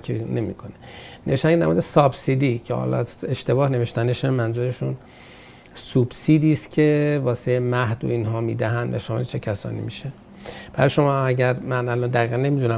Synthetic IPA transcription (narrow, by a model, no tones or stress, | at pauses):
kʰene̞mḭːkʰoneneeʃt̪ænŋɡed̪æɾm̰ːd̪esɒbsid̪iːcʰehɒ̰lɒ̰zeʃt̪e̞bɒːhne̞veʃt̪æneʃemænzuːɾeʃun | subsiːd̪iːst̪cʰe̞vɒːseemæhd̪o̰inɦɒːmḭːd̪æɦænd̪væ̰ʃɒːmelet͡ʃʰe̞cʰæsɒ̰ːnḭmiʃe | b̥æɾɒjʃo̞mɒːæɟæɾmænælɒnd̪æɣiːɣænːe̞mid̪unæ